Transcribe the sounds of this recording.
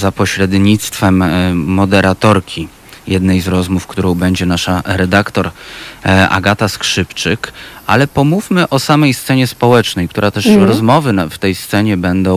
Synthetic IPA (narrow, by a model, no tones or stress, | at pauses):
zapɔɕɾɛd̪ɲit̪st̪fɛmːɔd̪ɛɾat̪ɔɾkʲi | jɛd̪nɛjzɾɔzmufkt̪uɾɔ̃w̃bɛɲd͡ʑɛnaʂaɾɛd̪akt̪ɔɾ | ʔa̰ɡat̪askʂɘpt͡ʂɘkʔalɛpɔmufmɘʔɔsamɛjst̪sɛɲɛspɔwɛt͡ʂnɛjkt̪uɾat̪ɛʂɾɔzmɔvɘft̪ɛjst̪sɛɲɛbɛnd̪ɔ̃w̃